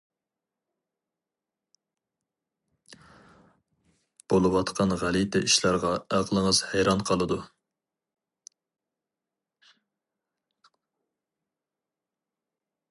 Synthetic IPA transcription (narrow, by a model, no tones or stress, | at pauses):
b̥olˠɨwɑt̪qʰɑnʁælit̪ʰɛʔiʃlˠɑɾʁɑæqlˠəŋəz̥hæjɾɑnqʰɑlˠɨd̪u